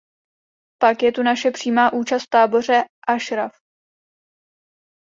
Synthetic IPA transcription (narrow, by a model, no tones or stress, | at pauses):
pakjɛt̪unaʃɛpr̝̥iːmaːʔuːt͡ʃast̪t̪aːbo̞r̝ɛʔaʃɾaf